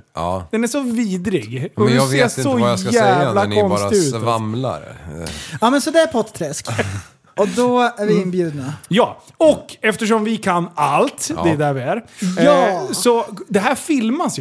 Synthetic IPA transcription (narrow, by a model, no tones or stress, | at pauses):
ɑd̪̥ɛnæʂɔviːd̪ɾɪɡɔd̪seːsɔsjæːvlakʰɔnst̪ɪʉːt̪vamla̰ɾ | ɑːmɛnsɔd̪ɛæɾpʰɔt̪t̪ʰɾɛsk | ɔd̪ɔæɾvɪɪnbjʉ̟ːd̪̚najɑː | ɔkːɛft̪əʂ̬ɔmvɪkʰanːalt̪d̪ɛd̪æɾvɪæɾ | sɔd̪ɛɦæːɾfɪlmasj